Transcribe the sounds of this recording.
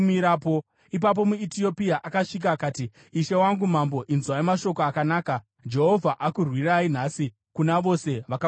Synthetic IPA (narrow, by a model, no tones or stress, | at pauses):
miɾapo | ip̬ap̬o̞muitio̞piaʔakaʂik̬aːkaːtiː | ʃe̞waŋɡum̤ambo̞ʔinzwaimaʃo̞koakanaːka | d͡ʒe̞ɦo̞vʱaʔakurwirain̤asi | kunaʋo̞se̞ʋaka